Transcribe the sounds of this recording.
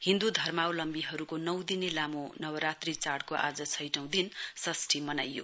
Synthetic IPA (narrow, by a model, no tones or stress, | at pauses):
hind̪ud̪ʱʌrmawlʌmbiɦʌɾukonʌw̃d̪inelamonʌwʌɾat̪rit͡saɽkoʔa̰d͡zʌt͡sʰʌjʈʌ̃w̃d̪insʌsʈʰimʌna̰jːo̰